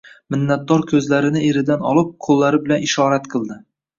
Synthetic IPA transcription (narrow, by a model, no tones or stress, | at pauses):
mɪnːat̪̚d̪ɒɾkʲʰɵzlaɾɪnɪeɾɪd̪anɒlˠɪp̚qʰolˠːaɾɪbɪlanɪʃɒɾat̪qʰɨlˠd̪ɪ